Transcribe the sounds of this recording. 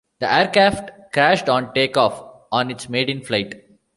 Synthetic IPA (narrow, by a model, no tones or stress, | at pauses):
d̪̥əʔɛːəɾkɾæːfʈkɾæːʃɖɔ̃ːnʈeːkɔːf | ɔ̃ːnɪʈsmeːɖɪ̃nflaɪʈ